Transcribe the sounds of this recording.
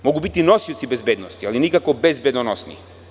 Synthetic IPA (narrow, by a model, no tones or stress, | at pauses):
mɔɡubit̪inɔsit̪sibɛzbɛd̪nɔst̪ialinikakɔbɛzbɛd̪nɔnɔsnḭ